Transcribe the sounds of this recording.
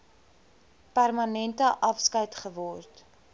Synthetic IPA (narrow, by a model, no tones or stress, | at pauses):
pærmɐnɛntəʔɐfskɐjtχəvɔrt